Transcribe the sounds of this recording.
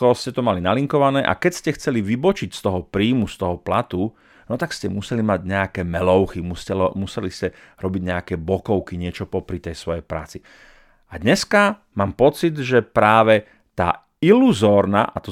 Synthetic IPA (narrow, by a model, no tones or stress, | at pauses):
kɔɔscɛt̪ɔmalinaliŋkɔʋanɛːʔa̰kɛcscɛxt͡sɛliʋibɔt͡ʃicst̪ɔɦɔpɾiːmust̪ɔɦɔplat̪u | nɔt̪akscɛmusɛlimaɟɲɛakɛːmɛlɔʊximuscɛlɔmusɛliscɛɾɔbiɟɲɛakɛːbɔkɔʊkiɲɪɛt͡ʃɔpɔpɾit̪ɛjsʋɔjɛjpɾa̰ːt͡si | ad̪ɲɛska | maːmpɔt͡sid̪ʒɛpɾaːʋɛ | t̪a̰ː | iluzɔːɾna̰ʔat̪ɔ